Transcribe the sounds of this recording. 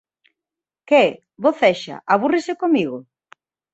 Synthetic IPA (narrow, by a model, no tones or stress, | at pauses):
keɛ | βoθɛʃa̰ʔaβ̞urɪsekomiɣo